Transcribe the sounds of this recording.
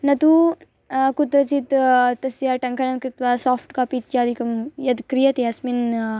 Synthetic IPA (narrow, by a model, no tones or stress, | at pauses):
nɐt̪u | kut̪ɾɐt͡ʃit̪t̪ɐsjaʈɐŋkɐnɐnkɾit̪ʋasɔːfʈkapit̪t͡ʃaːd̪ʱikɐmjɐd̪kɾijɐt̪eɐsmin